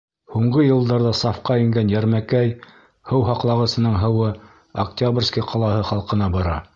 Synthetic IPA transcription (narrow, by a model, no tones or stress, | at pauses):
huɴɢɤjɤ̆lˠd̪ɑɾðɑsɑfqɑɘ̆ŋɡænjæɾmækæj | hɤwɦɑqlˠɑʁɤ̆sɤ̆nɤɴɦɤ̆wɤ | ɐktʲabrʲskiqʰɑlˠɑhɤχɑlˠqɤ̆nɑbɑɾɑ̰